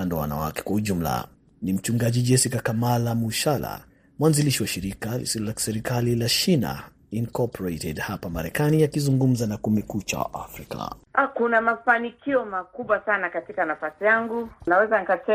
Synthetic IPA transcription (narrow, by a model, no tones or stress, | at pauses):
andɔw̰wa̰na̰wa̰kɛ̥kwahuʄum̩la̰ | nim̩t͡ʃuŋɡaʄid͡ʒɛsikakamalamuʃala̰ | mwanziliʃiwaʃiɾikalḭsilɔlaki̥sɛɾikalilat͡ʃina̰ | inkɔpʰɔɾetɛdhapamaɾɛkanijakizuŋɡum̩zanakumɛkut͡ʃa̰wa̰ʔa̰fɾika̰akunamafanikiɔmakuɓwasanakatikanafasijaŋɡunawɛzanikatɛ